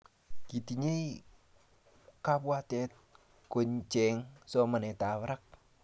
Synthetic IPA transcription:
kit̪iɲe | kapuat̪e | koɲt͡ʃɛŋsɔmənet̪awɾək̚

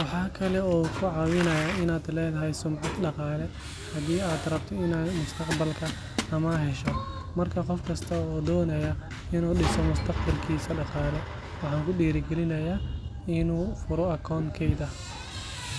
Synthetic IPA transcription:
wɑħɑːkʰɐlɛɔːkʰʊʕɑːwɪnɐjaɪnaːd̪lɛːðɐɦɛjsʊmʕɑd̪ɖɑqɑːlɛ | hɐd̪iːaːd̪rɐb̚t̪ʰɔɪnaːmʊst̪ʰɐqbɐlkʰɐ | ɐmɐɦɛʃɔ | mɐrkʰɐqɔfkʰɐst̪ʰɐɔːd̪ɔːnɐjɐ | ɪnuːɖɪsɔmʊst̪ʰɐqbɐlkʰiːsɐɖɑqɑːlɛ | wɑħɑːŋkʊɖiːɾɪɡɛlɪnɐjaː | ɪnuːfʊɾɔɐkʰɔːŋkʰɛjd̪ɐ

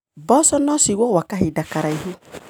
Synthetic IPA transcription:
bɔsɔnɔsiwɔwakaɦidakaɾaiɦu

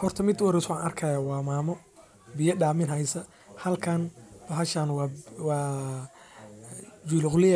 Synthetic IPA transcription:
hɔrt̪ʰɐmɪd̪wɐɾɛswaːnɐrkʰɐjaːwɑːmaːmɔ | bɪjɐɖaːmɪnɦɐjsɐ | hɐlkʰɐnbɐɦɐʃaːnwɑwɑː | d͡ʒulʊqlɪj

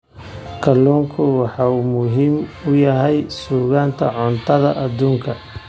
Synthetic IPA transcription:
kʰɐlːɔːŋkʰʊwɑħɑːumʊɦiːmʊjɐɦɛjsuːɣaːnt̪ʰɐ̰ʕɔnt̪ʰɐðɐʔɐd̪uːŋkʰɐ

